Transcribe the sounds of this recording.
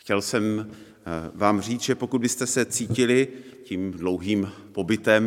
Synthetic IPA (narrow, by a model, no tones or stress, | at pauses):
xcɛlsɛm | vaːmr̝iːt͡sʒɛpo̞kud̪bɪst̪ɛsɛt͡siːcɪlɪ | ciːmdlowɦiːm | po̞bɪt̪ɛm